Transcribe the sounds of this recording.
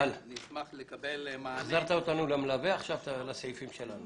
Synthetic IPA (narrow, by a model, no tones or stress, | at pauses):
lnismaχlekabelmaχzaʁt̪aot̪anulemlaveaχʃavt̪alaseifimʃelanu